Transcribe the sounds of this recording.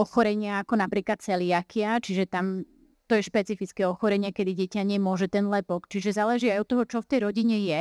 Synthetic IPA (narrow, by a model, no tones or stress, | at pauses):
ɔxɔɾɛɲɪaːkɔnapɾiːklat̪̚t͡sɛlɪakɪat͡ʃiʒɛt̪am | t̪ɔjɛʃpɛt͡sifit͡skɛɔxɔɾɛɲɪakɛd̪iɟɛcaɲɛmʊɔʒɛt̪ɛnlɛpɔkt͡ʃiʒɛzaːlɛʒiajɔt̪ːɔɦɔt͡ʃɔft̪ɛjɾɔɟiɲɛjɛ